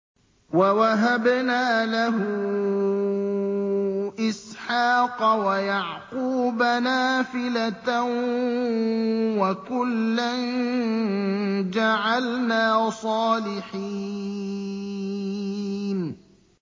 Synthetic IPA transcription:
wawaɦabnaːlaɦʊ | ʔɪsħaːqɑwajaʕquːbanaːfɪlat̪ | wakʊlːan | d͡ʒaʕalnaːsˤɑːlɪħi | n

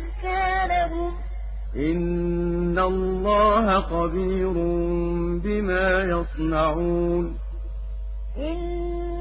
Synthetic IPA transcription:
kaːlabʊ | ʔɪnː | alˤːɑːhaxɑbiːɾʊmbɪmaːjɑsˤnaʕuːn | ʔɪn

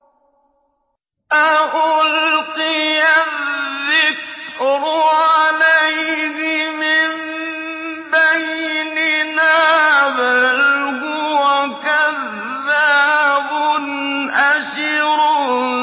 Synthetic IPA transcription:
ʔaʔʊlqɪjaðːɪkɾʕalajhɪmɪm | bajnɪnaːbalɦʊwakaðː | abʊn | ʔaʃɪɾ

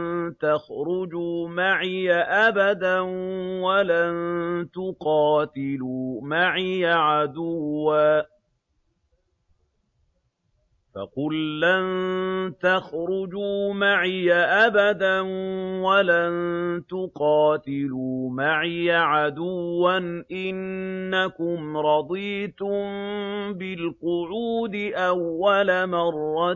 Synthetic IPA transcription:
t̪axɾʊd͡ʒuːmaʕɪjaʔabad̪anwalant̪ʊqɑːt̪ɪluːmaʕɪjaʕad̪ʊwːaː | fɑ̰qʊlːant̪axɾʊd͡ʒuːmaʕjaʔabad̪anwalant̪ʊqɑːt̪ɪluːmaʕjaʕad̪ʊwːanʔɪnːakʊmɾˤɑd̪ˤiːt̪ʊmbɪlqʊʕuːd̪ɪʔawːalamɑrˤːɑ

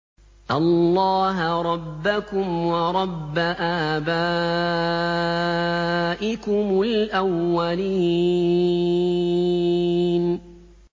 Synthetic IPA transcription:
ʔɑlːɑːɦaɾˤɑbːakʊmwɑɾˤɑbːaʔaːbaː | ʔɪkʊmʊlʔawːaliː | n

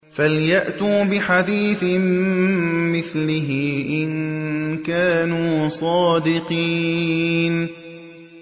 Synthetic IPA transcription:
faljaʔt̪uːbɪħad̪iːθɪm | mɪθlɪɦɪʔɪnkaːnuːsˤɑːd̪ɪqiːn

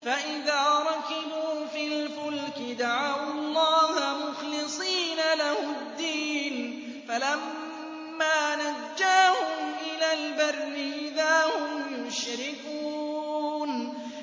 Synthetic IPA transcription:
faʔɪðaːɾˤɑkɪbuːfilfʊlkɪd̪aʕawɑlˤːɑːhmʊxlɪsˤiːnalahʊd̪ːiːn | falamː | aːnad͡ʒːaːhʊmʔɪlaːlbɑrˤːɪʔɪðaːhʊmjʊʃɾɪkuːn

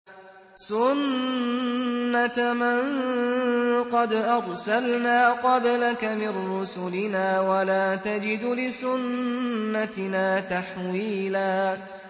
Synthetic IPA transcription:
sʊn | at̪mɪŋ | qɑd̪ʔɑɾˤsalnaːqɑblakamɪnːʊsʊlɪnaːwalaːt̪ad͡ʒɪd̪lɪsʊnː | atnaːt̪aħwiːlaː

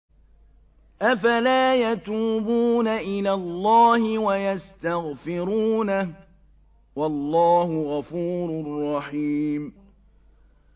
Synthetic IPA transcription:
ʔafalaːjat̪uːbuːnaʔɪlaːlˤːɑːhɪwajast̪aɣfɪɾuːna | wɑlːɑːhʊɣafuːɾrˤːɑħiːm

